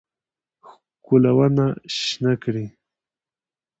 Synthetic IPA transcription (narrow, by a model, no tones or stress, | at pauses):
x | kʊlawanaʃnakɽi